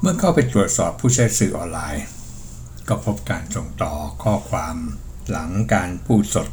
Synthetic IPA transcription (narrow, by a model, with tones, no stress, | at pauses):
mɯ˥˩ɐkʰa˥˩wpa˧jt̪ɾu˨˩ət̪̚sɔː˨˩pʰːuː˥˩t͡ɕʰa˦˥˩jsɯː˨˩ʔɔː˧nlaː˧j | kɔː˥˩pʰo˦˥p̚kaː˧nso˨˩ŋt̪ɔː˨˩kʰɔː˥˩kʰwaː˧m | la˩˦ŋkaː˧npʰuː˥˩t̪̚so˨˩t̪̚